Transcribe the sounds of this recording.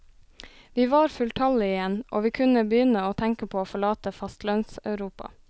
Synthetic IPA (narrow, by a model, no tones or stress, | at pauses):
ʋiːʋɑːɾfʉlt̪ʰɑləɪjɛnʔo̰ːʋiːkʰʉnəbəjʏnəoːt̪ʰæŋkəpʰoːoːfɔɭɑːt̪əfɑst̪lœnsɑ̰ʉɾuːpɑ̰